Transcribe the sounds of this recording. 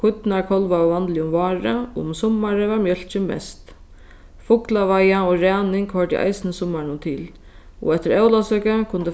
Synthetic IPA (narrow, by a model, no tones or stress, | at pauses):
kʰʊt̪naɹkʰɔlʋavant̪lɪʊmvɑːɾəʊ̰msʊmːaɾəʋaɹmjœl̥t͡ʃɪmɛ̰st̪ | fʊklaʋajaɔɾɛːnɪŋkhɔɹʈ̪ɪ̰ʔa̰jsɪnəsʊmːanʊnt̪ʰɪːl | ɔ̰ɛt̪ɪɾɛwlasœkəkʰʊnt̪ɪ